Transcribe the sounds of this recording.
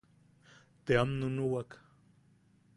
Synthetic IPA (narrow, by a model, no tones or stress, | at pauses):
t̪eamnʊnuwak